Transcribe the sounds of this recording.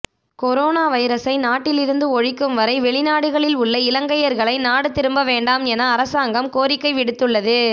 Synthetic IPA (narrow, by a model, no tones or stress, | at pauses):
kɔɾoːnaːʋɐɪɾɐsɐɪnaːʈːɪlɪɾɯnd̪ɯɔɻɪkːɯmʋɐɾɐɪʋɛɭɪnaːɽɯɣɐɭɪlʊɭːɐɪlɐŋɡɐjɐɾɣɐɭɐɪnaːɽɯt̪ɪɾɯmbɐʋeːɳɖaːmɛnɐːɾɐsaːŋɡɐmkoːɾɪkːɐɪʋɪɽɯt̪ːɯɭːɐðɯ